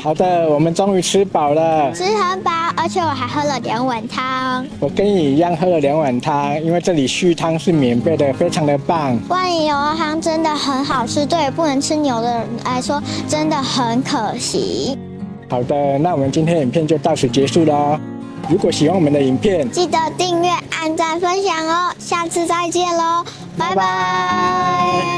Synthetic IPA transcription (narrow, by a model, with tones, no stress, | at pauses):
xɑ˨˩ʊd̪ə˦wɔ˨˩mə˨˦nʈ͡ʂo˥ŋy˧˥ʈ͡ʂʰɻ̩˥pɑ˨˩ʊlə˦ʈ͡ʂʰɻ̩˥hə˧˥npa˨˩ʔə˞˧˥t͡ɕʰjɛ˨˧˩wɔ˨˩xa˧˥ɪxɤ˥lə˨ljɛ˧˥ŋwa˨˩nt̪ʰɑ˦˥ŋwɔ˨˩kə˦ni˨˩jɑ˥˩ŋxɤ˧˥lə˨˩ljɑ˧˥ŋwa˨˩nt̪ʰa˦˥ŋi˥nwe˥˧ɪʈ͡ʂɤ˥˩li˨˩ɕy˥˧t̪ʰa˥ŋʂɻ̩˥˩mjɛ˨˩nfe˥˩ɪd̪ə˨fe˥ɪʈ͡ʂʰɑ˧˥ŋd̪ə˨pa˥˩ŋwa˥˧ni˨˧˩jo˧˥ʊxɑ˥ŋʈ͡ʂə˥nd̪ə˨xə˧˥nxɑ˨˩ʊʈ͡ʂʰɻ̩˥t̪we˥˩ɪpu˥˩nə˧˥ŋʈ͡ʂʰɻ̩˥njo˧˥ʊd̪ə˧la˧˥ɪʂwɔ˥ʈ͡ʂə˥nd̪ə˨xə˨˦nkʰə˨˩ɕḭ˧˥˦ | hɑ˨˩ʊd̪ə˦na˥˩wɔ˨˩mə˨˦nt͡ɕi˥nt̪ʰjɛ˥ni˨˩nmpʰjɛ˥˧nt͡ɕjo˥˧ʊt̪ɑ˥˩ʊʂ̩ʰ˨˥t͡ɕjɛ˧˥ʂu˥˩lə˩ | ɻu˧˥kwɔ˨˩ɕi˨˩wɑ˥˩ŋwɔ˨mə˧˦nd̪ə˨i˨˩npʰjɛ˥˩nt͡ɕi˥˩d̪ə˧˦t̪i˥˧ŋɥɛ˥˩ʔa˥˩nt͡sa˥˧nfə˥nɕjɑ˨˩ŋə˧˩ɕja˥˧t͡sʰɹ̩˥˧t͡sa˥˧ɪt͡ɕjɛ˥˩nlə˩ | pa˥ɪa˦˧